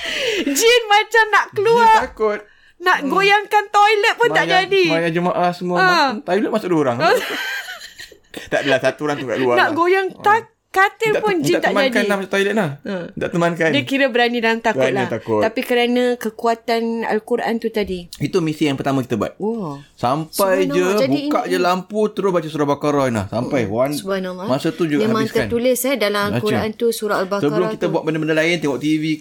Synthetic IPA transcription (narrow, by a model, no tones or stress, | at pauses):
d͡ʒinmat͡ʃamnaʔkəluakʊt̪̚ | naʔɡojaŋkant̪ojlət̪̚pʊnaʔd͡ʒadimajad͡ʒəmaʔahsəmuəət̪ajlət̪̚masʊʔdooɾaŋ | t̪aʔdalasat̪uɾaŋt̪ukaʔkluanaʔɡojaŋa | kat̪ɪpʊnd͡ʒiat̪aʔmaadkanamat͡ʃamt̪ojlət̪̚lahədaʔt̪əmankandiakiɾəbəɾanĩdalamt̪akʊalt̪akʊt̪apikəɾanãkəkuat̪ana̰lkuɾaʔa̰nt̪ut̪adiit̪umisijaŋpərt̪amãkit̪əbua̰t̪̚ɔsampajd͡ʒəd͡ʒabuikaʔd͡ʒəlamput̪əɾʊsbat͡ʃasuɾabakaɾɔinla̰hsampajansbanamamasət̪ud͡ʒuɡmemãɪŋsəant̪ulɪsɛdalamalakuɾaʔant̪usuɾaalbaksəbəlʊmkit̪əbuat̪̚bəndəbəndalaɪnt̪ɛŋɔʔt̪ivi